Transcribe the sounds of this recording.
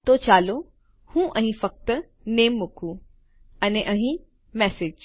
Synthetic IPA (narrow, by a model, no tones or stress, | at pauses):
t̪oːt͡ɕaːlo | hũːʔɐ̃ɦĩfɐk̚t̪ | neːmːʊkʰu | ɐneʔɐɦĩ | mɛːsɪd͡ʒ